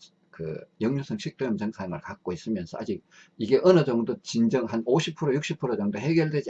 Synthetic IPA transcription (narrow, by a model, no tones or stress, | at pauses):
kɯ̰jʌŋɲosʰʌŋɕʰik̚t͈ojʌmt͡ɕʌŋsʰamɯɭkak͈̚ois͈ɯmjʌnsʰʌad͡ʑik̚ | iɡe̞ʔʌnɯd͡ʑʌŋdot͡ɕind͡ʑʌŋɦanoɕʰipʰuɾojuk̚ɕ͈ipʰuɾod͡ʑʌŋdohe̞ɡjʌɭdwed͡ʑi